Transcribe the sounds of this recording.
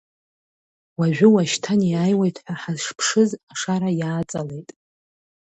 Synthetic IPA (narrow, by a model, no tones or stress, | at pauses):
waʒᶣʷʊwaʃtʰaniaːjwejtʰʼħʷaħazʂpʰʂɨzaʂaɾajaːt͡sʼale̞jtʼ